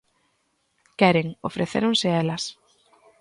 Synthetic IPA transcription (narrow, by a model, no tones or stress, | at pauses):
kɛɾeŋo̰fɾeθḛɾoŋsɪɛlɐs